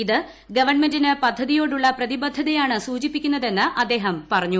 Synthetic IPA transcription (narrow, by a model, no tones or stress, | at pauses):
iðɨ | ɡɐʋɐɳmendinɨpɐd̪ʱːɐðijo̞ːɽuɭːɐprɐðibɐd̪ʱːɐðijaːɳɨsuːt͡ɕipːikʲːunːɐðe̞nːɨʔɐd̪ːe̞ːɦɐmpɐrɐɲːu